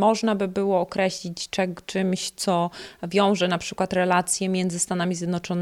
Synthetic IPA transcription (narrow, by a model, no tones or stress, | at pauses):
mɔʐnabɘbɘwɔːkɾɛɕlʲit͡ɕt͡ʂɛt͡ʂɘmɕt̪sɔvʲjɔ̃w̃ʐɛnapʂɘkwat̪ɾɛlat̪sʲjɛmʲjɛnd̪zɘst̪anamʲizʲjɛd̪nɔt͡ʂɔn